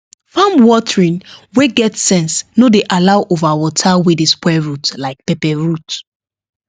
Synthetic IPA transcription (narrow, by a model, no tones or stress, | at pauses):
fãmwɔtɹĩnweɡɛtsɛ̃nsnodeʔalaʊʔovawɔtʰawedespwɛɹutlaɪk̚pepɛɹut